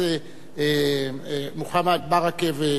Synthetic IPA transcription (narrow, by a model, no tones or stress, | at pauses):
e | muxamad̪̚baʁakeve